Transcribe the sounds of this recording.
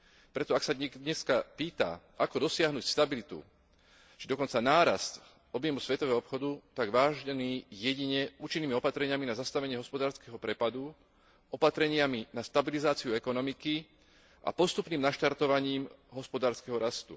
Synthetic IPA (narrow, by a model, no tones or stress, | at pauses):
pɾɛt̪ɔaksad̪ɲɛdɲɛskapiːt̪a̰ʔakɔd̪ɔsɪaɦnuːcst̪abilit̪ṵ | ʒɛd̪ɔkɔnt͡sanaːɾast̪ | ɔbjɛmusʋɛt̪ɔʋɛɦɔɔpxɔd̪ut̪aɡʋaːʒɲɛniːjɛɟiɲɛuːt͡ʃinːiːmiɔpat̪ɾɛɲɪaminazast̪aʋɛɲɪɛɦɔspɔd̪aːɾskɛɦɔpɾɛpad̪u | ɔpat̪ɾɛɲɪaminast̪abilizaːt͡siuɛkɔnɔmiki | ʔa̰pɔst̪upniːmnaʃt̪aɾt̪ɔʋaɲiːmɦɔspɔd̪aːɾskɛɦɔɾast̪ṵ